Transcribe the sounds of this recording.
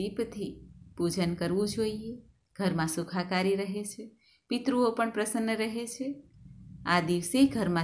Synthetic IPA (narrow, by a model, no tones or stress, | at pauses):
ipt̪ʰipud͡ʒənkəɾʋũd͡ʒoie | ɡ̥ʱəɾmãsukʰakaɾiɾəɦet͡ʃʰe | pit̪ɾuopəɳpɾəsənːəɾəɦet͡ʃʰe | ad̪iʋseɡʱəɾmã